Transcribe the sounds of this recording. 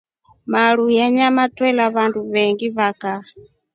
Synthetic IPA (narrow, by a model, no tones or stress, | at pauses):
maɺujaɲamatwɛlaβanduβɛŋɡiβaka